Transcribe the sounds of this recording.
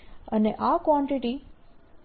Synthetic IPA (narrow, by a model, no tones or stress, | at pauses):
əneʔakwɔɳʈiʈi